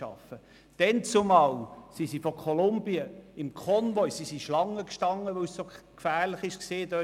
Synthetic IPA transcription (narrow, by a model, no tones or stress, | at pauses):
ɑ̰fə | d̥ɛnt͡sʊmɑːwsisifɔkʰɔlʊmbiəɪmkʰɔnʋɔjsisiʃlɑŋːəkʃtɑŋːəʋœʊssokfæːɾləχɪʃkseːdø